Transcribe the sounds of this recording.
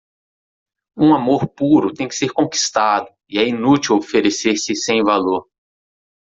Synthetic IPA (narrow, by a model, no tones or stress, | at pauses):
ũamoɾpuɾʊt̪ẽj̃kɪ̥seɾkõki̥st̪ad̪ʊ | iɛinut͡ʃiwofeɾeseɾsɪsẽj̃valoɾ